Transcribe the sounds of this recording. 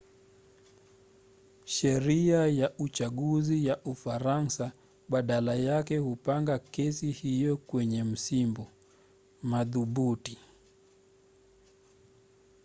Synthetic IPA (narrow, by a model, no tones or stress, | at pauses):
ʃɛɾiajaut͡ʃaɠuzijaʔufaɾansa | ɓaɗalajakɛhupaŋɡakɛsihijɔkwɛɲɛm̩simbɔ | maðuɓuti